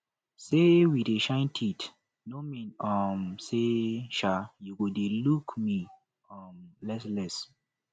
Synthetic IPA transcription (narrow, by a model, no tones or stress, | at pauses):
sewideʃãɪ̃ntʰit | nomĩnɔmseʃajuɡodelukmi | ɔmlɛslɛs